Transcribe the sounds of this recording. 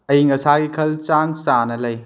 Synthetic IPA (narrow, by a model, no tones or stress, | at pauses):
ɐjiŋɐsaɡikʰɐlt͡ʃansanɐlɐj